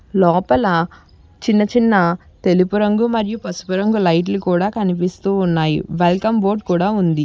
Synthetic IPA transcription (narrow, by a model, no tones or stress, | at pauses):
lɔːpɐlɐ | t͡ʃinːɐt͡ʃinːɐ | t̪e̞lipuɾɐŋɡumɐɾijupɐsu̥puɾɐŋɡulɐjʈ̬lukuːɽaːkɐnipist̪uːnːaːjḭʋelkɐmboːɾʈkuːɽaːund̪i